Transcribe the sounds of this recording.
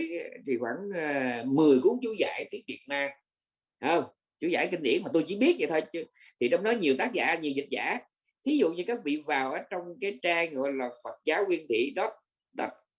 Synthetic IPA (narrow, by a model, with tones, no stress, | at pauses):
t̪ʰi˨˩xwaː˧˩ŋː˨˩mɨ˨˩əjku˨˧˦əŋt͡ɕu˧˦za̰ː˧˩jt̪i˨˦nɗḭ˧˩ən̚naː˧ | ʔəː˧˩ŋ͡m | t͡ɕu˧˩˦za̰ː˧˩jki˧ŋ̟ɗḭ˧˩ənmaː˨˩t̪o˧jt͡ɕi˧˦ɓi˦˥ət̚ɲa̰˧˩t̪ʰə˧t͡ɕɨ˧ | t̪ʰi˨˩t͡ɕɔ˧wŋ͡mɗɔ˨˦ɲi˨˩əwt̪aː˦˥k̚za̰ː˧˥ɲi˨˩wzi˨˩t̟̚za̰ː˧˥˦ | t̪ʰi˨˦zṵ˧˨ɲɨ˧kaː˦˥k̚vḭ˧˨vaː˨˩wʔəː˨˦t͡ɕɔ˧wŋ͡mkaː˨˦jt͡ɕaː˧ŋɣɔ̰˧˨jlaː˨˩fə˨˩t̚zaː˨˦wkwi˧ənt̪ʰḭ˧˨ɗɔ˦˥t̚ | ɗə˦˥t̚